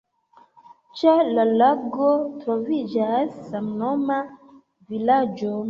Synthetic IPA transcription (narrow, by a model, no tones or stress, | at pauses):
t͡ʃelalaɡotɾo̞vid͡ʒasːamnoma | vilad͡ʒo̞